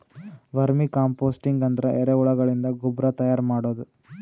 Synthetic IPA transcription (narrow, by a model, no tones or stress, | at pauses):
ʋɐɾmikaːmpoːsʈiŋɡɐnd̪ɐɾɐʔɛɾeuɭɐɡɐɭind̪ɐɡubɾɐt̪ɐjaːɾmaːɽoːd̪u